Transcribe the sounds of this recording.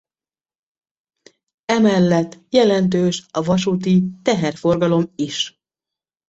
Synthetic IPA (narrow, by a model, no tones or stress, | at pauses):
ɛmɛlːɛt̪ːjɛlɛnt̪̬øːʃɒvɒʃuːt̪it̪ɛɦɛrfo̞rɡɒlo̞miʃ